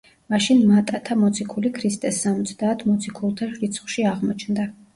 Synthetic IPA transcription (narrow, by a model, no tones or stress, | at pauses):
maʃinmat̪ʼat̪ʰamɔt̪sʰikʰulikʰɾist̪ʼɛsːamɔt̪sʰd̪aːt̪ʰmɔt̪sʰikʰulˠt̪ʰaʃɾit̪sʰχwʃiaʁmɔt͡ʃʰnd̪a